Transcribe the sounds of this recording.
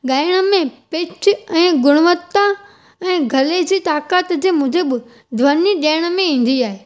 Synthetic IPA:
ɠaːɪɽ̃ə̆mẽpɪt͡ɕʰʊɛ̃ːɡʊɽ̃ʊʋət̪ːa | ɛ̃ːɡʱɐled͡ʑiːt̪aːkaːt̪d͡ʑeːmʊ̃ɦd͡ʑebɪ | d̪ʱʋɐniɗeːɽ̃ə̆mẽĩːn̆d̪iaːɦeː

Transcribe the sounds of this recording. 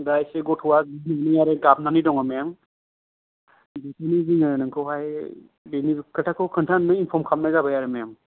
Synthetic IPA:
dajseɡɔtʰuwazinaniaɾɯɡabnanidɔŋamejaŋ | ditʰiniziŋaɾnɯŋkʰɯɦaj | benikʰɯtʰakʰɯkʰɯntʰannɯinpʰɔmkʰamnaɡabajaɾɯmejam

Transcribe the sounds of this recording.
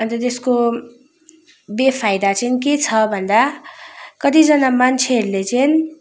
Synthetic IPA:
ʌnt̪ʌt̪esko | bepʰajd̪at͡sʌnk̬et͡sʰʌbʱʌnd̪a | kʌt̪̬id͡zʌnamant͡sʰeɦʌɾulet͡sʌn

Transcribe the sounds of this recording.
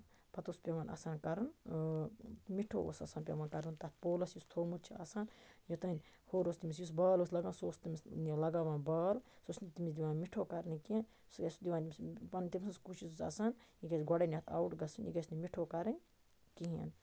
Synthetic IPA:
pɐt̪uspʲeʋaːnʔa̰saːnkɐɾun | miʈʰo̰ːo̰ːsɐ̰ːsaːnpʲḛʋaːnkɐɾunt̪ɐt̪ʰpoːlɐsjust̪ʰoːmut̪t͡ʃʰia̰ːsaːnjot̪ɐnʲ | hoːɾoːst̪imis̬jus̬baːloːslɐɡaːnsoːst̪imisnilɐɡaʋaːnbaːlsosnit̪imisd̪iʋaːnmiʈʰoːkɐɾnikien | sɐsd̪iʋaːnimspɐnnʲt̪imisuskut͡ʃʰisusɐ̰ːsaːnikesɡɔɽɐnʲɐt̪ʰa̰wʈɡɐsunḭkɐsnimiʈʰoːkɐɾɐnʲ | kiɦḛn

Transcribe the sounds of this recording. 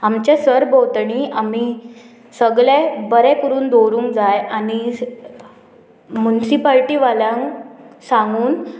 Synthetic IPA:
amt͡ɕesəɾbowt̪ɳiam̤i | səɡɭebəɾɛkuɾuːnd̪oɾũːŋkd͡zajani | munisipalʈiʋaljãŋsãŋɡuːn

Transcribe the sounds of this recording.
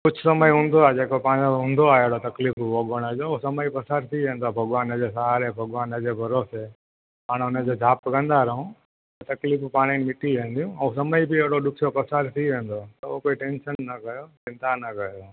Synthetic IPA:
kʊd͡ʑʱʊsɐməiɦũːnd̪oaed͡ʑeːkopãːɲoɦũːnd̪oaːɦeɽot̪ɐkliːfubʱoːɡəɽ̃əd͡ʑoːosɐməipɐsaːɾt̪ʰiʋẽːn̆d̪oabʱɐɠʋaːnəd͡ʑesaɦaɾebʱɐɠʋaːnəd͡ʑeːbʱɐɾoːse | paːɽ̃ʊnə̃d͡ʑoːd͡ʑʱaːpkɐ̃nd̪aɾɐɦũ | t̪ɐt̪ɐkliːfpaːɽ̃inmɪʈiʋẽːn̆d̪ijũɛ̃usɐməibɪɐɦɪɽoɗʊkʰijopɐsaːɾt̪ʰiʋẽːnd̪ot̪ɐokoːiʈẽːnʃənːɐkɐjot͡ʃɪ̃nt̪anɐkɐjo

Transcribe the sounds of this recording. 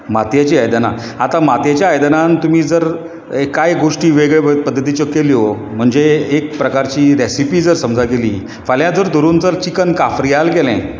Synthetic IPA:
mat̪jat͡ɕiːajd̪na̰at̪amat̪jat͡ɕjaːjd̪ənant̪um̤iːd͡zəɾ | ekajɡoʂʈiːʋeɡɭeəpəd̪ʱːət̪̬it͡ɕɔkːeliːo | m̤əɳd͡zeek̚pɾəkaɾt͡ɕiːɾesipiːd͡zəɾsəmd͡zʱakelḭː | faljãd͡zəɾd̪ʱoɾuːnd͡zəɾt͡ɕikənkafɾijalkelɛ̰̃

